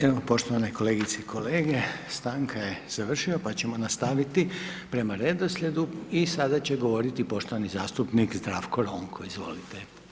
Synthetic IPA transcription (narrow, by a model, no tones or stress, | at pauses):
eʋopo̞ʃt̪oaneko̞le̞ɡit̪seikʰole̞ːɡe̞st̪aːŋkaje̞z̥aʋr̩ʃiopat͡ɕe̞mo̞nast̪aʋit̪ipɾe̞maɾe̞d̪o̞slʎʲe̞d̪uisad̪at͡ɕe̞ɡo̞ʋo̞ɾit̪ipo̞ʃt̪o̞ʋanizaːst̪upnikzd̪ɾafkoɾo̞ŋkʰoizʋo̞̰lit̪e